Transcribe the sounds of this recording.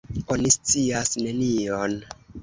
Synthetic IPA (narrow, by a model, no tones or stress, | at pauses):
o̞nist͡siasne̞nion